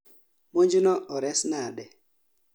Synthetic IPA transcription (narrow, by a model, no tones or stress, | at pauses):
moɲd͡ʒunɔɔɾɛsnadɛ